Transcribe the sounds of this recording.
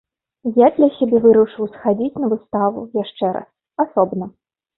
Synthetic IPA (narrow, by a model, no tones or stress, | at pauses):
jad̪lʲɐsʲabʲɛvɨɾuʂɨwsxad͡zʲit͡sʲnɐvɨst̪avṵjaʂt͡ʂɛɾa̰s | asɔbnɐ